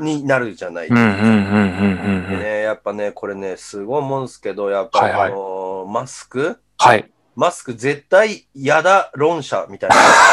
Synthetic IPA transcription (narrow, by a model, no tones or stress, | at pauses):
ɲ̟inaɾɯ̟d͡ʑana̰iɯ̃ɯ̃ɯ̃ɯ̃enejapːane̞kʰo̞ɾe̞ne̞sɨɡo̞imõsɨ̥ke̞d̪o̞japːaaiomasɨ̥kɯ̟ | hai | masɨ̥kɯ̟ze̞t̪ːaijad̪aɾõ̞ɰ̃ɕa̰mʲit̪ain